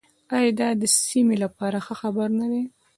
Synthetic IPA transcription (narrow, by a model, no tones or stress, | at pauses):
ɑjɑd̪ɑd̪əsimelapɑɾaxəxabaɾnad̪e